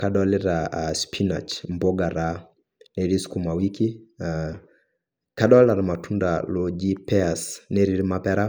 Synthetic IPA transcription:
kaɗalɪɾaspʰinat͡ʃmbɔɡaɾa | neɾiskumawikia | kaɗalaɾamatundalod͡ʒipɛasneɾiɾmapɛɾa

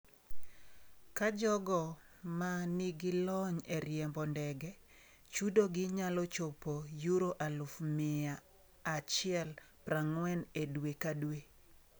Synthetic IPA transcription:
kad͡ʒɔɡɔ | maniɡɪlɔɲeɾjɛmbɔndɛɡɛ | t͡ʃudoɡɪɲalɔt͡ʃopojuɾoʔalʊfmɪaː | t͡ʃɪɛl | pɾaŋwɛnedwekadwe

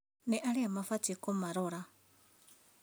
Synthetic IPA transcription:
neʔaliamafatekomaɾoɾa

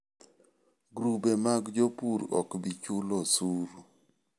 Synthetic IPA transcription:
ɡɾubemaɡd͡ʒopuɾɔ̰kbit͡ʃulosuɾ

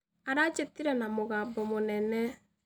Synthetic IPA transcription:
aɾat͡ʃetiɾɛnamoɣaːbɔmonɛnɛ

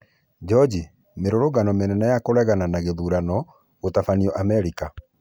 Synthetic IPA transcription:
d͡ʒɔd͡ʒi | meɾoɾoɣanɔmenɛnajakoɾɛɣananaɣeðuɾanɔ | ɣotafaniɔʔamɛɾika

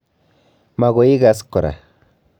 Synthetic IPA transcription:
maɣoiɡaskoɾa̰

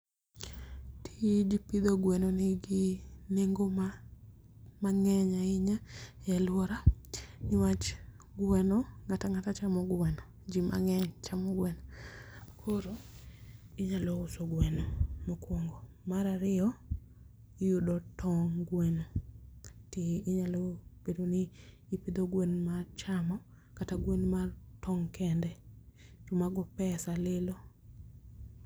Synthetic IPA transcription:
tʰid͡ʒipid̪oɡwɛnoneɡineŋɡoma | maŋɛɲaɪɲajɛlwɔɾanɪwat͡ʃ | ɡwɛnɔŋataŋatat͡ʃamɔɡwɛnɔ | d͡ʒima̰ŋɛɲt͡ʃamɔɡwɛnɔ | kʰoɾo | ɪɲaloʊsoɡwɛnomokwoŋɡo | maɾaɾɪɔ | ɪjudɔtʰɔŋɡwen | tiːɲalob̥edonɪː | pid̪oɡwenmat͡ʃamɔ | kataɡwenmatʰɔŋkʰɛndɛd͡ʒomaɡɔpɛsalɪlo

